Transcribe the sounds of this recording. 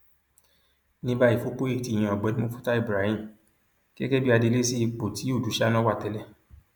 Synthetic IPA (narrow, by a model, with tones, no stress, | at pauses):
nĩ˦ba˦i˨fo˨˦k͡po˦i˦˨ti˨j̃ã˨ɔ˨ɡ͡bɛ˨˦nĩ˦o˦fu̥˦ta˦i˦˨bɾa˨˦hĩ˦˨ | kɛ˦kɛ˦bi˦a˧de˧le˦si˦i˧k͡po˨tʰi˨˦u˦˨du˨˦ʃa˦nã˦wa˦˨tɛ˧˦lɛ˦